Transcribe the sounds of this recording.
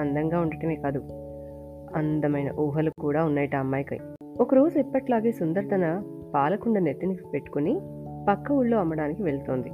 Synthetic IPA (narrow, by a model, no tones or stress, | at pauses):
ɐnd̪ɐŋɡaːuɳɖɐʈɐmeːkaːd̪u | ɐ̰nd̪ɐmɐjnɐ̰ʔuːɦɐlukuːɽaːunːɐːjɐʈɐɐmːaːjkɐ̰j | okɐɾoːsipːɐʈlaːɡeːsund̪ɐɾt̪ɐnɐ | paːlɐkuɳɖɐnet̪ːinipe̞ʈːu̥kuni | pɐkːɐuɭːo̞ːɐmːɐɽaːnikiʋe̞ɭt̪oːnd̪i